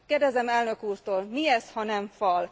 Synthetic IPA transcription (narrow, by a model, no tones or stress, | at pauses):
kkeːrd̪ɛzɛmɛlnø̞kuːrt̪oːlmiɛshɒnɛɱfɒl